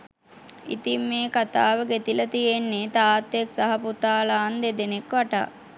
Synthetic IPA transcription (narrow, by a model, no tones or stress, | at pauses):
ḭt̪imːeːkat̪aːʋəɡet̪ilət̪ijenːet̪aːt̪ːjeksaɦɐput̪aːlaːnd̪ed̪enekʋaʈa̰ː